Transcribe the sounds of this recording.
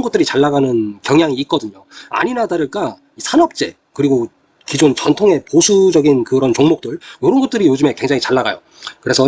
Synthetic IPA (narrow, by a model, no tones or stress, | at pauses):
nɡʌt͈̚ɯɾit͡ɕaɭːaɡanɯnkjʌŋjaŋiːt̚k͈ʌdɯɲoa̰ɲinadaɾɯɭk͈a | isʰanʌp̚t͡ɕ͈e̞̰ | kɯɾiɡo | kid͡ʑont͡ɕʌntʰoŋe̞posʰud͡ʑʌɡinkɯɾʌnt͡ɕoŋmok̚t͈ɯɭjoɾʌnɡʌt̚t͈ɯɾijod͡ʑɯme̞kwe̞ŋd͡ʑaŋit͡ɕaɭːaɡa̰jo̰ | kɯɾe̞sʰʌ